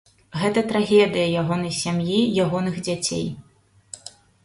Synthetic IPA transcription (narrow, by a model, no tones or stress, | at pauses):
ɣɛt̪ɐt̪ɾaɣʲɛd̪ɨjɐjaɣɔnɐjsʲamjijaɣɔnɨɣd͡zʲat͡sʲḛj